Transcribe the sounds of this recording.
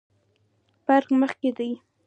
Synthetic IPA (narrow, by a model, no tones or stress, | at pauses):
b̥aɾqməχked̪əj